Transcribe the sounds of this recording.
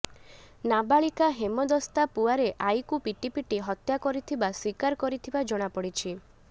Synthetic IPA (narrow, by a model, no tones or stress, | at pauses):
nabaɭikaɦemɔd̪ɔst̪apuaɾeʔajkupiʈipiʈiɦɔt̪jakɔɾit̪ʰibaswikaɾkɔɾit̪ʰibad͡ʒɔɽ̃apɔɽit͡ʃʰi